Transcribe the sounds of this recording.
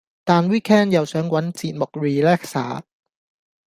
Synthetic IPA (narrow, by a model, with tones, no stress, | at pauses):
t̪aː˨nwiː˥kʰɛː˥˩njɐ˨wsœː˨˥ŋwɐ˨˥nt͡siː˨˩t̪̚mo˨˩k̚ɹiː˨˧lɛː˥k̚sa̰ː˨˥